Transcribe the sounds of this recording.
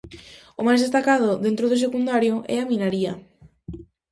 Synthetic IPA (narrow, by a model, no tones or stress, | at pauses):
ʊmajzðest̪akað̞ʊðent̪ɾʊð̞ʊs̬ekund̪aɾjʊʔɛ̰aminaɾiɐ